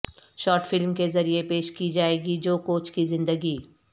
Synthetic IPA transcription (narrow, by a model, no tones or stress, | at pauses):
ʃɔːɾʈfɪlmkezɐɾiepeːʃkid͡ʒaːeːɡid͡ʒoːkoːt͡ʃkizɪ̃nd̪əɡiː